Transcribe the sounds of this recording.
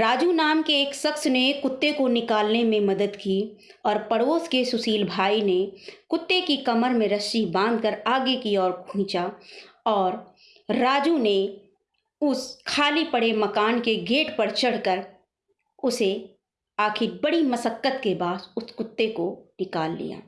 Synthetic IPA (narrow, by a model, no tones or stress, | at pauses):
ɾaːd͡ʒunaːmkeːksɐksnekʊt̪ːekonɪkaːlnemẽmɐd̪əd̪ki | ɔːɾpɐɽoːskesʊsiːlbʱaːinekʊt̪ːekikɐməɾmẽɾɐsːibãːnd̪kəɾaːɡekiɔːɾkʰũːt͡ʃaɔːɾː | aːd͡ʒune | ʊskʰaːlipɐɽ̤emɐkaːnkeɡeːʈpəɾt͡ʃɐɽ̤kəɾ | ʊse | aːkʰɪɾbɐɽimɐsəkːət̪kebaːsʊskʊt̪ːekonɪkaːlːḭja̰ː